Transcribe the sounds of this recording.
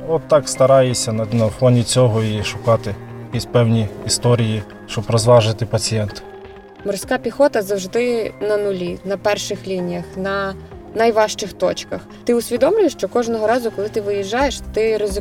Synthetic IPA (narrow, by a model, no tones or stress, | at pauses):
ɔt̪ːɑkst̪ɐɾɑjesʲɐnɐnɐfɔnʲit͡sʲɔɦɔiʃʊkɑt̪ɪjɐkʲisʲpɛwnʲiːst̪ɔɾʲiji | ʃt͡ʃɔbɾɔzʋɑʒɪt̪ɪpɐt͡sʲijɛnt̪ | mɔrsʲkɑpʲixɔt̪ɐzɐwʒd̪ɪnɐnʊlʲinɐpɛrʃɪxlʲinʲijɐxnɐ | nɐjʋɑʃt͡ʃɪxt̪ɔt͡ʃkɐxt̪ɪʊsʲʋʲid̪ɔmlʲʊjeʃt͡ʃɔkɔʒnɔɦɔɾɑzʊkɔlˠɪt̪ɪʋɪjiʒːɑjeʃt̪ɪɾɔzʲɪ